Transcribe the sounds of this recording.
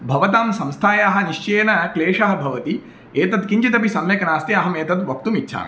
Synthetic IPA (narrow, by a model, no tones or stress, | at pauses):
bʱɐʋɐt̪aːmsɐ̃mst̪ʰaːjaːɦɐ̆niʃt͡ʃeːnɐkleːʂɐɦɐ̆bʱɐʋɐt̪i | eːt̪ɐt̪kiɲt͡ʃit̪ɐpisɐmʋeːkɐnaːst̪iɐɦɐmeːt̪ɐt̪ʋɐk̚t̪umitːʃʰa̰ːm